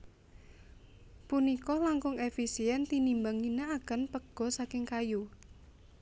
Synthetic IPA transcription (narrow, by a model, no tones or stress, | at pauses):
punikɔlaŋkʊŋefisiɛnt̪inimbaŋinaaɡ̥a̤npəɡ̥ɔ̤sakɪŋkaju